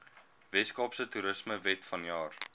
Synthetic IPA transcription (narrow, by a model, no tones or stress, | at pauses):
vɛskɑpsətuɾəsməvɛtfɐnjɑːr